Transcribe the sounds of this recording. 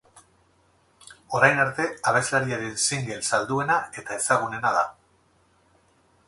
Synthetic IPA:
o̞ɾajnaɾt̪e̞aβ̞e̞zlaɾiaɾensiŋɡe̞lsald̪ue̞nae̞t̪ae̞saɣ̞une̞naða̰

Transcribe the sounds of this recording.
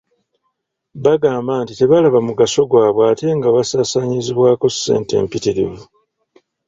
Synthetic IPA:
βaɡaːmbaːntite̞βalaβamuɡaso̞ɡwaːβwaːte̞ŋɡaβasaːsaɲiziβwaːko̞sːe̞̰ːnte̞̰ːmpitiɾḭvu

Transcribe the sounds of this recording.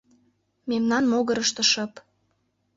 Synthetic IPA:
memnɑnmoɣəɾəʃt̪ə̆ʃɤ̆p

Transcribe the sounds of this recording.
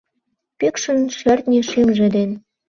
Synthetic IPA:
pekʃə̆nʃørt̪nʲeʃemʒĕd̪en

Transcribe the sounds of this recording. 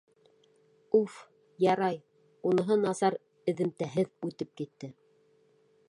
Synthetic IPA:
uf | jɑɾɑj | unɤ̆ɦɤnɑsɑɾ | ɘ̆ðɘ̆mt̪æɦɘðʉt̪ɘp̚kit̪ːɘ

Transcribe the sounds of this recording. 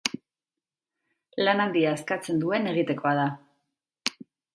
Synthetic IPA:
lanand̪iaeskat͡se̞nd̪ue̞ne̞ɣ̞it̪e̞ko̞að̞a

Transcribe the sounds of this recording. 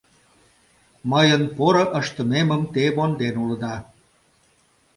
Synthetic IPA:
məjənpoɾə̆ʔəʃt̪ə̆meməmt̪ebond̪enulə̆d̪ɑ

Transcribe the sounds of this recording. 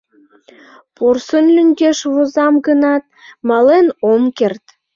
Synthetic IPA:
porsənlʲyŋɡeʃβozɑmɡənɑt̪̚mɑlenomkert̪

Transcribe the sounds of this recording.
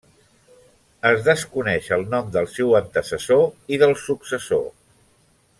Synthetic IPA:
əzðəskunɛʃəlˠnɔmd̪əlˠsewənt̪əsəsoiðəlˠsuksəso

